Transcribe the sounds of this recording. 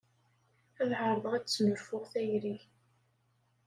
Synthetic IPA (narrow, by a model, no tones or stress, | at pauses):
æðʕəɾˤðˤʁæt͡sːməɾfʊʁθæjɾiç